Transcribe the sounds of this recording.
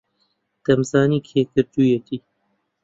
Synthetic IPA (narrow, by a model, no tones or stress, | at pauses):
d̪̥ɐmsaːniːkʰeːkɨɾt̪ujet̪iː